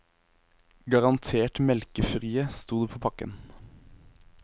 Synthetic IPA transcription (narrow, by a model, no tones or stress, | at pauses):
ɡɑʁɑnt̪ʰeːʈmɛlkəfʁiːəst̪uːd̪eːpʰoːpʰɑkə̰n